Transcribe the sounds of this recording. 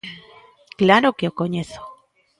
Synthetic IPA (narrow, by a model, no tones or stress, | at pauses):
klaɾokeokoɲeθo̥